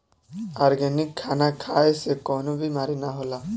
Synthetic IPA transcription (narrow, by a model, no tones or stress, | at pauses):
aːɾɡɛnɪkʰːaːnakʰaːesekɔːnobʱimaːɾinaɦolaː